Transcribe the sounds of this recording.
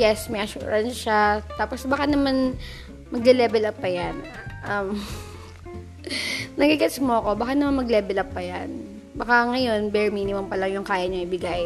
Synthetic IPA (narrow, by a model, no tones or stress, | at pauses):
jɛsmɐjʔɐʃṵːɹɐnsʃat̪aːposbɐkanɐman | mɐɡ̚lɛlɛːbɛlɐpːɐjan | ʔɐm | nɐɡɪkɛt̪smoɐko̞bɐkanɐmanmɐɡlɛːbɛlɐpːɐjan | bɐkaŋɐjo̞nbɛɹmiːnɪmompɐlɐŋjʊŋkaːjɐɲɐŋʔɪbɪɡaj